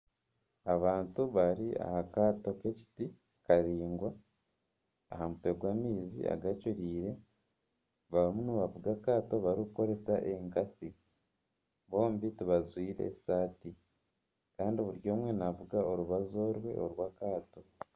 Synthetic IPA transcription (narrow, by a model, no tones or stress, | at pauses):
aβaːntuβaɾia̰hakaːto̞ke̞ci̥ti | kaɾiːŋɡwa | hamutweɡwaːmiːzḭa̰ɡacuɾiːɾe̞ | βaβimunuβavuɡakaːto̞βaɾikuko̞ɾe̞saʔe̞ŋkasi | βo̞ːmbituβazwiːɾe̞̰saːti | kaːndiβuɾjo̞ːmwe̞navuɡao̞ɾuβazo̞ːɾwe̞̰oɾwaːkaːto̞